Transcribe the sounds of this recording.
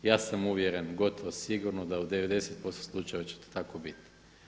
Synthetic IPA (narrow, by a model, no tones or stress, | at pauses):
jaːsamuʋjeɾe̞nɡo̞t̪oʋosiɡuɾnod̪aud̪e̞ʋe̞d̪e̞set̪̚po̞st̪oslˠut͡ʃaeʋat͡ɕe̥t̪o̥t̪akobit̪i̥